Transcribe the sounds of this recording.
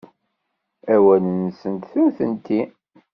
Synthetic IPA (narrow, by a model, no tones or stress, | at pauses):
æwænənsənt̪θuθə̰nt̪i